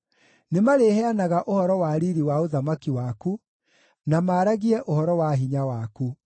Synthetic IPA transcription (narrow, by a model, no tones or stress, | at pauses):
nemaɾehɛanaɣaʔohɔɾɔwaɾiɾiwaoðamakiwaku | namaːɾaɣiɛʔohɔɾɔwaɦiɲawaku